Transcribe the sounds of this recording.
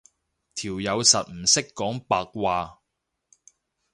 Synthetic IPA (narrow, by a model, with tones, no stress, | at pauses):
t̪ʰiː˨˩wjɐ˨˧wsɐ˨t̚m̩˨˩sɪ˥kːɔː˨˥ŋpaː˧k̚waː˨˧